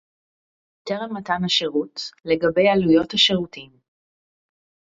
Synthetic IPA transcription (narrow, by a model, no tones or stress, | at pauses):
teʁemːatanhaʃeʁutleɡɐbe̞jalujo̞thaʃeʁutim